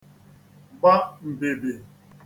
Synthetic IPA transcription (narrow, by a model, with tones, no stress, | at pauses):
ba˦m̩˨be˨be˨